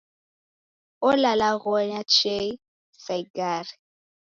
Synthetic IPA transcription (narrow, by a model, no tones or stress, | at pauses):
ɔlalaɣɔɲat͡ʃei | faɡaɾi